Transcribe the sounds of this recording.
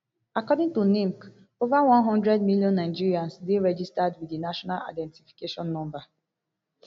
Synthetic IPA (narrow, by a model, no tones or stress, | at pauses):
akɔdĩŋtunĩŋk | ovawɔ̃nɦɔ̃ndɹɛdmiljɔ̃nːaɪd͡ʒiɹiãnsdeɹɛd͡ʒistadwidinaʃɔnala̰ɪdɛ̃ntifi̥keʃɔ̃nːɔ̃mba